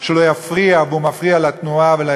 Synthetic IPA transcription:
ʃelo̞jafʁiaveumafʁialat̪nuavela

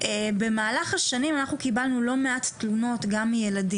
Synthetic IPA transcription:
ʔebe̞maːlaχaʃanimanaχnukibalnulo̞meattːluno̞tɡamːijeladi

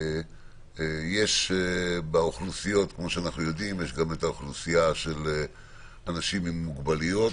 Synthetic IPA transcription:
je̞ʃ | baoχlusijo̞tkmo̞ʃeanaχnujo̞dimjeʃɡametaoχlusijaʃe̞le | anaʃimimːuɡbalijo̞t

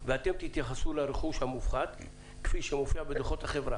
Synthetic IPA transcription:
veat̪e̞mt̪it̪jaχasulaɾeχuʃhamufχad̪ | kfiʃemofiabed̪eχo̞t̪haχe̞vʁa

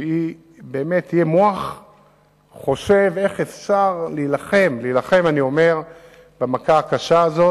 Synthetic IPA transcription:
i | beːmet̪ʰːijemoaχ | χo̞ʃe̞ve̞χefʃaʁleilaχe̞mlilaχe̞manio̞me̞ʁ | bemakaːkaʃaːzo

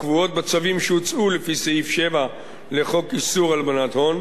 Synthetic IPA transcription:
kvuo̞t̪̚bat͡savimʃejut͡sulefiseifʃeva | le̞χo̞kisuʁalbanat̪ho̞n

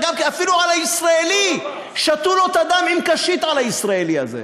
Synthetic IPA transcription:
ɡamkiafiluʕalhaisʁaeli | ʃat̪ulot̪ad̪amimkaʃit̪ʕalhaisʁaelia̰zḛ

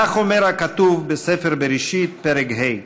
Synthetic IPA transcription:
aχomeɾakat̪uvbesefeɾbeɾiʃit̪̚peɾekɦej

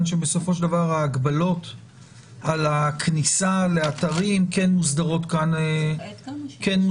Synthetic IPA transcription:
nʃebeso̞fo̞ʃ̬ld̪avaʁhaːɡbalo̞t | alakʰnisale̞at̪aʁimke̞nmusd̪aʁo̞t̪kane | kenm

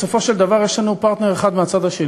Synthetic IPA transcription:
sofo̞ʃeld̪avaʁjeʃlanupaʁt̪ne̞ʁeχad̪meat͡sad̪aʃe

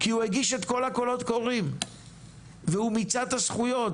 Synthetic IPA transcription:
kiueɡiʃe̞t̪ko̞lhako̞lo̞t̪koʁim | veumit͡sad̪hasχujo̞t

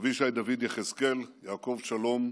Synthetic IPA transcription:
viʃajd̪avid̪jeχeskeljaːko̞vʃalo̞m

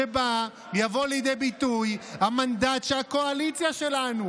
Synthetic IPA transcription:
eba | javo̞lijd̪ejbit̪ujhamand̪at̪ʃehako̞alit͡sjaʃe̞lanu

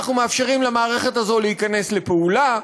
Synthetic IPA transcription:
χnumeafʃe̞ʁimlamaːʁe̞χe̞tazo̞lehikane̞sle̞peula

